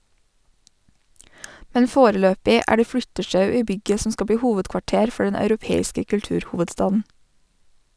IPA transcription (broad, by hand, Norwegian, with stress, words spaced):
ˈmɛn ˈfoːɾəˌløːpɪ ˈʔæː ˈɖeː ˈflʏtəʃɑʉ ˈiː ˈbʏɡə ˈsɔm ˈskɑ ˈbɽiː ˈhuːʋədkʋɑˌʈeːɾ ˈfɔ ˈɖɛn ɑʉɾʊˈpeːɪskə kʉlˈtʉːɾˌhuːʋədˌstɑːdn̩